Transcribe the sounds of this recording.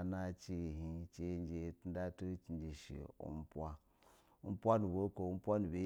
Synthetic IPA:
na˦t͡ʃe˦˨ɦi˦t͡ʃe˦n˦d͡ʒe˨ti˦n˦da˦tu˦t͡ʃi˨nd͡ʒi˨ʃḭ˨ṵ˦m˦pwa˦ | u˦m̩˦pʷa˦nu˨bo˦ko˨˦m̩˦pʷa˦nu˨be˨˦

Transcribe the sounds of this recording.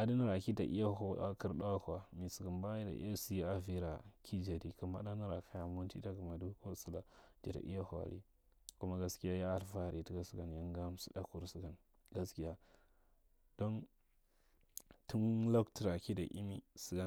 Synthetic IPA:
a˨di˦ni˦ɾa˨ki˦ta̰˨ʔḭ˦ja˦ɦo˨a˦ki˦ɾɗa˦wa˦ka˨mi˨su˨ɡu˨nba˦i˦da̰˨ʔḭ˦a˦si˦ja˦a˨vi˦ɾa˨kʰi˦d͡ʒa˨di˨ku˨ma̰˦da˦ni˦ɾa˨ka˦ja˨mu˦n˦ti˦ta˦ku˨ma˨du˦ko˦su˦la˨d͡ʒḭ˨da̰˨ʔi˦ja˦ha̰˨lḭ˦ | ku˦ma˦ɡa˦ski˦ja˦ja˦a˨lfa˦˨ɾi˨ti˦ka˦su˦ɡa˨nja˦ŋɡa˦m˦su˦da˦ku˨ɾsu˦ɡa˨n | ɡa˨˦ski˦ja˦ | d̥o˦n | tu˦nlo˦kti˨ɾa˨ki˦da̰˨ʔḭ˦mi˦su˨ɡa˨

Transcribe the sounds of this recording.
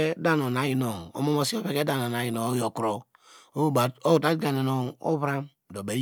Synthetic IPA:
da˦no˨na˨ji˨no˨o̰˦mo˦mo˦si˦o˦βe˦ke˦da˦n˨o˨na˨ji˨no˨o˦jo˨kɾo˨ | o˦bo˦u˨ta˦dɡa˨ne˨no˨o̰˦βɾa˦m | do˨be˨˦

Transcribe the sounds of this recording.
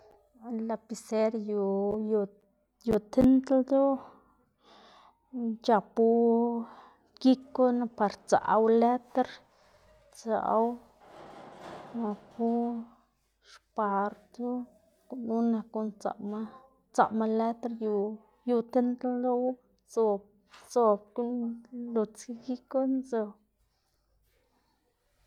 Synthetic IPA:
la˧pi˧se˦ɾju˧ju˧ | ju˧˨t̪e˦nd̪ld̪u˦ | t͡ʃa˨˧pu˦ | ɡi˦ku˦na˧pa˧ɾt͡sa̰˨˧wle˦t̪a˦ɾ | t͡sa̰˨˦w | na˧ku˦ | ʂpa˨ɾt̪u˦ | knu˦na˧ku˧nt͡sa̰˨ma˦ | t͡sa̰˨ma˧le˦t̪a˦ɾju˧ | ju˧t̪e˦nd̪o˦w | t͡so˧ | t͡so˧b̚ku˦lu˧t͡si˦ɡi˦ku˦nzo˧

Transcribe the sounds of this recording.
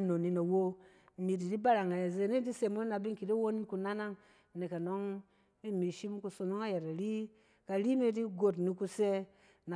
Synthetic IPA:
no˨ni˧no˨wo˦˨ | mi˨di˨di˦ba˦ɾa˨ŋa˨e˨ze˧˨ni˦di˦se˨mo˦na˨bi˦ŋ˦ki˨di˦wo˦ni˦ku˧na˦na˦ŋ˨ | ne˨ka˨no˦ŋ | bi˦˨mi˨ʃi˦m˦ku˨˧so˧no˦ŋa˦je˨ɾa˨ɾi˦ | ka˨ɾi˦mi˦di˦ɡo˨tni˧ku˧se˦ | na˨

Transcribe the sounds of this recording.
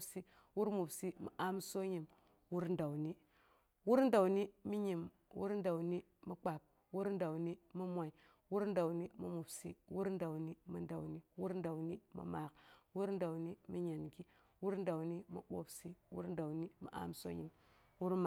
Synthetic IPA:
si˦ | wu˦ɾmu˨bsi˦mḭ˨ʔa˦mso˦ɲi˨m | wu˦ɾn̩da˨wni˦ | wu˦ɾ̩˦da˨wni˦mi˦ɲi˨m | wṵ˦ɾnda˨wni˦ | mi˦k͡pa˨p̚ | wu˦ɾnda˨wni˦mi˦mʷa˨i˨ | wu˦ɾnda˨wni˦mu˦mu˨bsḭ˦wu˦ɾda˨wni˦mu˦nda˨wni˦wu˦ɾnda˨wni˦mḭ˦ma˨kwu˦ɾn˦da˨wni˦mi˦ɲa˨nɡi˦ | wu˦ɾn˦da˨wni˦mṵ˦ɓo̰˦bsi˦wṵ˦ɾn˦da˨wni˦mḭ˨ʔa̰˦mso̰˦ɲḭ˨m | wu˦ɾma˨

